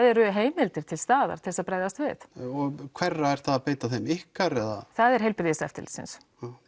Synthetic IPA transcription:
ðɛɾʏɦeːjmɪlt̪ɪɾ̥t̪ʰɪlst̪aːða̰ɾt̪ʰɪlsaðpɾaːjðast̪vɪ̰θɔɣkʰv̥ɛrːaɛɾ̥θaðapeːjt̪aθejmɪhkaɾɛða̰θaðɛɾ̥ɦejlpɪɾðɪsɛ̰ft̪ɪlsɪ̰ns

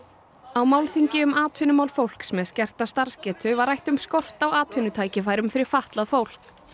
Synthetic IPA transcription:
awmawlθiɲcɪʏmaːt̪vɪnʏmaːwlfowl̥ksmɛðscɛr̥t̪ast̪aɾ̥scɛːt̪ʰʏvaɾajht̪ʏmskɔr̥t̪awaːt̪vɪnʏt̪ʰaːjcɪfaːjɾʏmfɪɾɪɾ̥faht̪laðfowl̥k

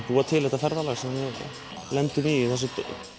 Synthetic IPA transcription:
puːat̪ʰɪlhɛht̪afɛɾðalasɛanvɪ | lɛnt̪ʏmiɪθɛs̬ːʏt̪

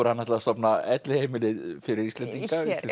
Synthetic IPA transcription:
ɔɾhanːaht̪laast̪ɔpnaɛt̪lɪhejmɪlɪðfɪɾɪɾist̪ɛnt̪iŋkaist̪

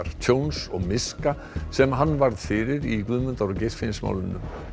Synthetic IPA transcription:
ɾ̥t̪ʰownsɔɣmɪska | sɛmɦanːvaɾð̥fɪɾɪɾikvʏðmʏnt̪aɾɔcejsfɪnsma̰ːwlʏnːʏ̰

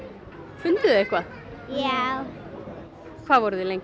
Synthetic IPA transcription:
fʏnt̪ɪðʏehkvað | jaw | kʰvaːðvɔɾðɪlejŋc

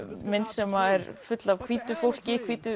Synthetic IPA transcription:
mɪnt̪sɛmaɛɾ̥fʏt̪lavkʰviːt̪ʏfowl̥cɪkʰviːt̪ʏ

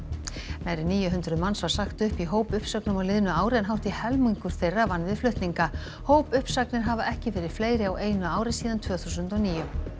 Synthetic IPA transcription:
majɾɪniːjʏɦʏnt̪ɾʏðmansvaɾ̥saxt̪ʏhpiɦoːwpʏhpsœknʏmawlɪðnʏaːwɾɪɛnɦawht̪ɪhɛlmujɲkʏɾ̥θejrːavanːvɪðflʏht̪niŋka | hoːwpʏhpsaknɪɾɦaːvaʔɛhcɪfɛːɾɪɾ̥fleːjɾɪawʔeːjnʏaːwɾɪsiːðant̪ʰvœːθusʏnt̪ɔwniːjʏ

